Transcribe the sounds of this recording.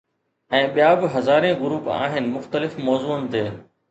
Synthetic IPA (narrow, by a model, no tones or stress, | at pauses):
ɛ̃ːɓijaːbɪɦɐzaːɾẽɡʊɾuːpa̰ːɦɪnɪ̆mʊxt̪əlɪfmɔːzuːənɪ̆t̪eː